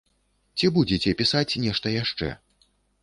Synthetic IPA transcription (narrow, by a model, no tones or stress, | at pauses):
t͡sʲibud͡zʲet͡sʲɛpʲisat͡sʲnʲɛʂt̪ɐjaʂt͡ʂɛ̰